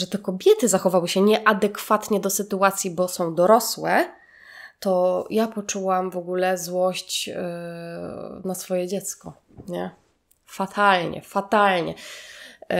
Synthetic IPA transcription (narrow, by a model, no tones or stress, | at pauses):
ʐɛt̪ɛkɔbʲjɛt̪ɘzaxɔvawɘɕɛɲɛʔad̪ɛkfat̪ɲɛd̪ɔsɘt̪uat̪sʲjibɔsɔ̃w̃d̪ɔɾɔswɛ | t̪ɔjapɔt͡ʂuwamvɔɡulɛzwɔɕt͡ɕ | nasfɔjɛd͡ʑɛt̪skɔ | ɲɛ | fat̪ʰalɲɛ̰fat̪alɲɛ̰